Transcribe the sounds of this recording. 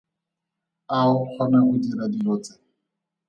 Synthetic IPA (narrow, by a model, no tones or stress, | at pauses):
aʊq͡χʰɔnaʔʊdiɾadiloːt͡sɛ